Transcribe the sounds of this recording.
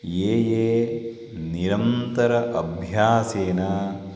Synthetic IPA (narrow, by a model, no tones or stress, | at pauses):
jeːjeː | niɾɐnt̪ɐɾɐʔɐbʱjaːseːnaː